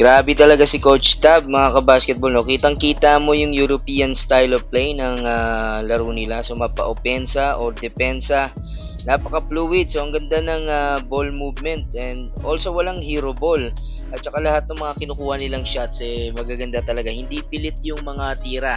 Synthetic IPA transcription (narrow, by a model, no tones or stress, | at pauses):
ɡ̥ɾaːbɪt̪ɐlɐɡasɪkowt͡ʃst̪ab̚mɐŋakɐbaskɛt̪̚bolnokiːt̪ɐŋkiːt̪amo̞jʊŋjuɾopiːɐnst̪ajlovplɛjnɐŋalɐɾunɪlaso̞mɐpɐ̰ʔopɛnsɐʔoɾd̪ɛpɛnsɐ | napɐkɐpluːwɪd̪̚soʔɐŋɡɐnd̪anɐŋabolmuːvmɛnt̪̚ɛnd̪ʔo̞lsowɐlaŋhiːɾobo̞l | ʔɐt̪̚t͡ʃɐkalɐhat̪̚nɐŋmɐŋakɪnʊkuːhɐnɪlaŋʃat̪sʔɛmɐɡaɡɐnd̪at̪ɐlɐɡahɪnd̪ipɪlɪt̪̚jʊŋmɐŋat̪iːɾa